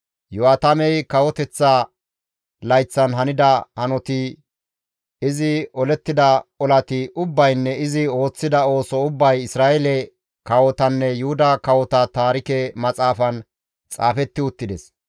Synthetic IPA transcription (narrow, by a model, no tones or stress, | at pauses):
jʊwaːt̪ɐmɛjkɐwɔt̪ɛt͡sːɐ | lɐjt͡sːɐnɦɐnɪd̪ɐhɐnɔt̪ɪ | ɪzɪɔlɛt̪ːɪd̪ɐɔlɐt̪ɪʔʊbːɐjnːɛɪzɪo̞ːt͡sːɪd̪ɐo̞ːsɔʊbːɐjɪsɾaːɛlɛ | kɐwɔt̪ɐnːɛjʊhʊd̪ɐkɐwɔt̪ɐt̪aːɾɪkɛmɐt͡sʼaːfɐn | t͡sʼaːfɛt̪ːɪʊt̪ːɪd̪ɛs